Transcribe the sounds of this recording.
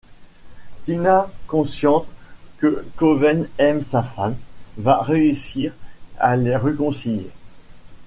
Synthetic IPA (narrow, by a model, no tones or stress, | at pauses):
t̪inakɔ̃sjɑ̃t̪kəkɔvɛnɛmsafamvaʁeysiʁa̰leʁəkɔ̃siljḛ